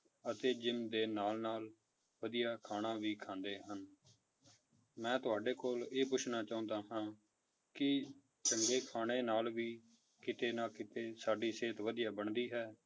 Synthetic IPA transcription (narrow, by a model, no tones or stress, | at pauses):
ət̪eːd͡ʒɪmd̪eːnaːlnaːl | ʋəd̪ijaːkʰaːɽãːʋiːkʰãːnd̪eːɦən | mɛ̃ːt̪ʊaːɖeːkoːleːp̬ʊt͡ʃʰnaːt͡ʃaːʊ̃nd̪aːɦãː | kɪ | t͡ʃəŋɡeːkʰaːɽ̃eːnaːlʋiː | kɪt̪eːnaːkɪt̪eːsaːɖiːseːt̪ʋəd̪ijaːbəɳd̪iːɦɛː